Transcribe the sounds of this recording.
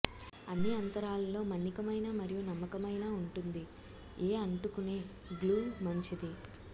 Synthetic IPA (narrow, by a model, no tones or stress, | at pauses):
ɐnːiɐnt̪ɐɾaːlɐlo̞ːmɐnːikɐmɐjnaːmɐɾijunɐmːɐkɐmɐjnaːuɳʈund̪i | eːɐɳʈukune̞ː | ɡluːmɐɲt͡ʃid̪i